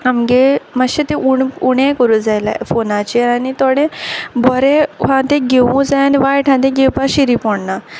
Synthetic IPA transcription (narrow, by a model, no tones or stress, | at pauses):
amɡemaɕet̪eʔuɳuɽẽkɔɾud͡zajla̰fonat͡ɕeanit̪ɔɽẽbɔɾẽɦãt̪ẽɡeʋũd͡zajaniʋajʈʰãd̪ẽɡewpaɕiɾipɔɳna